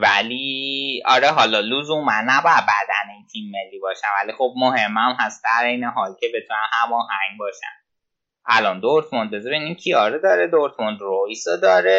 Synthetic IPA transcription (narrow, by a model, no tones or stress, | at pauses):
væliɒ̰ɾeɦɒlɒluːzumænnæbɒːjæd̪̚bæd̪æneint̪ʰimːelːibɒːʃæmvælixob̚mohemːæmɦæst̪̚d̪æɾejneɦɒːlcʲʰebe̞t̪ʰunænhæmɒːhæɲɡbɒːʃæ̰n | ʔælɒnd̪oɾt̪ʰmond̪bezɒɾenincʰiɒːɾed̪ɒːɾed̪oɾt̪ʰmond̪ɾojsod̪ɒːɾe